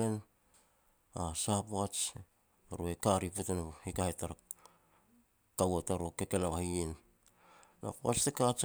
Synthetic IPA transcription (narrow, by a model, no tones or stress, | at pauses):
en | asapoat͡ʃ | aɾoekaɾipotenahikahetaɾa | kawataɾokeke̞naβahien | na̰poa̰t͡ʃtekat͡ʃ